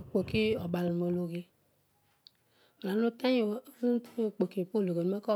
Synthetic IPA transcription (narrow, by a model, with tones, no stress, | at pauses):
k͡po˨ki˦ɔ˨ba˨lu˨o˨lo˨ɡe˧ | o˨a˨no˦ta˦ɲo˨˦tk͡po˨ki˨po˦lo˨ɡe˨˦e˦kɔ˦